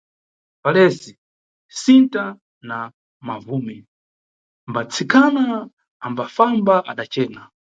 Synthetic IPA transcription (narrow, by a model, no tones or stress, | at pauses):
palɛsi | sinta | na | mavuːmɛ | mbat͡sʰikʰanaː | mbafambaʔa̰ɗat͡ʃɛːna